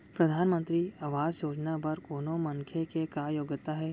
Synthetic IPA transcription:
pɾɐd̪ʱaːnmə̃nt̪ɾiɐʋaːzjoːd͡ʒnapɐɾkoːnõmɐŋkʰjekekajoːɡət̪ːaɦɛ

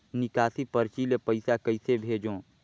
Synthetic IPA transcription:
nɪkaːsipəɾt͡ʃilepəɪsakəɪsebʱeːd͡ʒõː

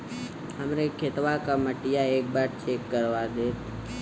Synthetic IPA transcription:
ɦəmɾeːkʰet̪ʋakaməʈɪjaeːk̚baːɾt͡ʃeːkːəɾʋad̪eː

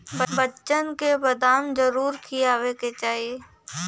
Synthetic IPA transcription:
bəbət͡ʃənkebɐd̪aːnzəɾuːɾkʰijaːʋeket͡ʃaːɦie

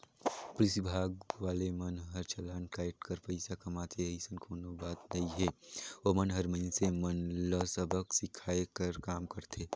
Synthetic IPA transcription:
pʊlɪsibʱaːɡʋaːlemɐnɦɐɾt͡ʃʰɐlaːnkaːɪʈkəɾpɐɪsakɐmaːt̪ʰeisənkʰoːnobaːt̪nɐĩɦɛːomɐnɦɐɾməɪnsemənləsəbəksɪkʰaːekəɾkaːmkɐɾt̪ʰeː

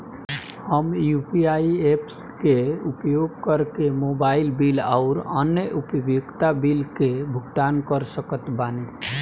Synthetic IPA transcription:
həmjupiaieps | keupjoɡ̚kəɾkemobailbilaʊɾənjəʔupəbjukt̪abilkebʱuɡʈ̪ankəɾsəkət̪bane

